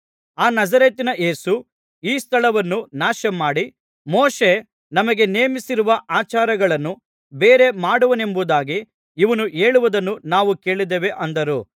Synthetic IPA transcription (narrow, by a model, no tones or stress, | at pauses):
aːnɐzɐɾeːt̪ːinɐʔe̞ːsu | iːst̪ʰɐɭɐʋɐnːunaːʃɐmaːɽi | moːʃe | nɐmɐɡe̞neːmisiɾuʋɐʔaːt͡ʃaːɾɐɡɐɭɐnːu | beːɾe̞maːɽuʋɐne̞mbud̪aːɡi | iʋɐnuʔeːɭuʋud̪ɐnːunaːʋuke̞ːɭid̪eʋe̞ʔɐnd̪ɐɾu